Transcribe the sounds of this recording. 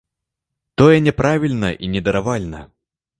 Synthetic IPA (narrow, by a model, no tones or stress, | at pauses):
t̪ɔjɛnʲɛpɾavʲilʲnɐʔinʲɛd̪ɐɾavalʲnɐ̰